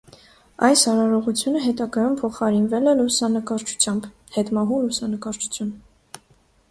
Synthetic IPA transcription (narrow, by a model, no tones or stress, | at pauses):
ɑjsɑɾɑɾɔʁut͡sʰjunəɦɛt̪ɑɡɑjumpʰɔχɑɾinvɛlɛlusɑnəkɑɾt͡ʃʰu̥t͡sʰjɑmb | hɛt̪mɑɦulusɑnəkɑɾt͡ʃʰu̥t͡sʰjun